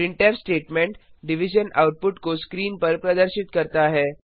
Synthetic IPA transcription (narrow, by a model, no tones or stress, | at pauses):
iɳʈeɾsʈeʈmeɳʈɖiʋ̤id͡ʑəna̰wʈ̚puʈkoskɾiːnpəɾpɾəd̪əɾɕit̪kəɾt̪aːɦe